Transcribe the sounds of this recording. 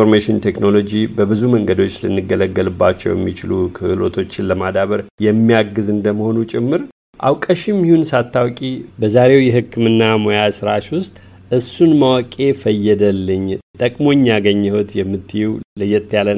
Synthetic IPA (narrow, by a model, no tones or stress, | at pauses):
oɾmeʃɪnt̪ʰekno̞lo̞d͡ʒibəbɨzuməŋɡəd̪o̞t͡ʃːlɨ̰nːɨɡələɡːəlɨbːat͡ʃːɛ̰wjɛ̰mːit͡ʃɪlukʰɨhɨlo̞̰t̪ʰo̞t͡ʃːɪnləmad̪aβəɾjɛmːijaɡɨzɨnd̪əməho̞nut͡ʃʼɪmːɨɾ | ʔa̰wkʼəʃɪmːihunsat̪ʰːawkʼibəzaɾe̞wjɛhɨkːɨmɨnːamo̞jasɨɾaʃwʊst̪ʼ | ɨsunmawkʼe̞fəjːɛd̪əlːɨɲːt̪ʼəkʼmo̞ɲːaɡəɲːɛhot̪jɛmːɨt̪ʰːɨjɛwlɨjːɛt̪ʰːjalən